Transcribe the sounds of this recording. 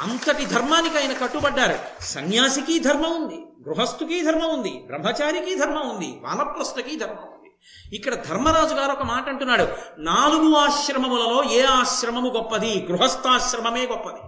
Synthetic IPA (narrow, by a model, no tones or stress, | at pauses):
ɐnt̪ɐʈid̪ʱɐɾmaːnikɐjnɐkɐʈːubɐɖːaːɾṵsɐnjaːsikiːd̪ʱɐɾmɐund̪iɡɾuɦɐst̪ukiːd̪ʱɐɾmɐund̪ḭbɾɐmːɐt͡ʃaːɾikiːd̪ʱɐɾmɐund̪ḭʋa̰ːnɐpːɾɐsnɐkiːd̪ʱɐɾmɐund̪i | ikːɐɽɐd̪ʱɐɾmɐɾaːd͡ʒuɡaːɾɔkɐmaːʈɐɳʈunːaːɽunaːluɡuaːʃɾɐmɐmulɐlo̞ːeːaːʃɾɐmɐmuɡɔpːɐd̪iɡɾuɦɐst̪aːʃɾɐmɐme̞ːɡɔpːɐd̪i